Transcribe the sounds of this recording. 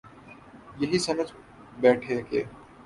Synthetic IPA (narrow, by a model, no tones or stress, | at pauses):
jɐɦisɐməd͡ʒ | bɛːʈʰeːkeː